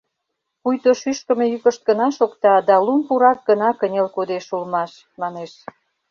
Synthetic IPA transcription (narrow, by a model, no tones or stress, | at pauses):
pujt̪oʃyʃkə̆mejykə̆ʃt̪̚ɡənɑʃokt̪ɑd̪ɑlumpuɾɑk̚ɡənɑkənʲelkod̪eʃulmɑʃ | mɑneʃ